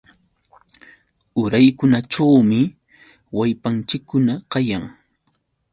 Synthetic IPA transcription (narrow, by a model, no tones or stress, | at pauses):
ʊɾajkʊnaʈ͡ʂawmɪ | wajpant͡ʃɪkːʊnaqɑjaŋ